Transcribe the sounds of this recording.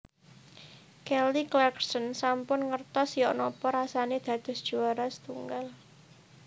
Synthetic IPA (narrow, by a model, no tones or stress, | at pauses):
kɛliklɛksənsampʊnŋərt̪ɔsjɔʔnɔpɔɾasaned̪̥ä̤d̪̥ʊ̤sd̥ʒ̥uaɾasə̥t̪uŋɡal